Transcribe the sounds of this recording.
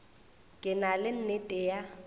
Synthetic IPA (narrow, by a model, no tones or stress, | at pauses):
kʼɪnalɪn̩netʼeːja